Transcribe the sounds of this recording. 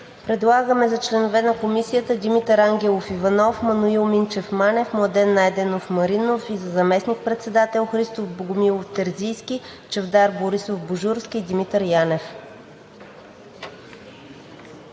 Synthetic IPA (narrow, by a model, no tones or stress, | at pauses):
pɾɛd̪lˠaɡəmɛzɐt͡ʃlɛnovɛnɐkomisijət̪əd̪ʲimit̪əɾaŋɡʲɛlˠofivɐnɔfmɐnuilˠmint͡ʃɛfmanɛfmˠd̪ɛnːajd̪ɛnofmɐɾinofizɐzɐmɛsnik̚pɾɛt̪sɛd̪at̪ɛlˠxɾist̪ovboɡʊmilˠoft̪ɛɾzijskʲit͡ʃɛvd̪aɾboɾisofboʒuɾskʲiːd̪imit̪əɾjanɛf